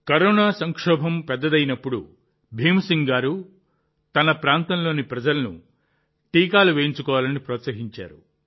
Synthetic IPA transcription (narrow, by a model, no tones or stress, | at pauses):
kɐɾɔːnaːsɐŋkʂɔːbʱɐmpɛd̪ːɐd̪ɐjinɐpːuɽu | bʱiːmsiŋɡaːɾu | t̪ɐnɐpɾaːnt̪ɐmlo̞ːnipɾɐd͡ʒɐlɐnṵ | ʈiːkaːluʋeːjiɲt͡ʃukɔːʋaːlɐnipɾɔːt̪sɐɦiɲt͡ʃa̰ːɾu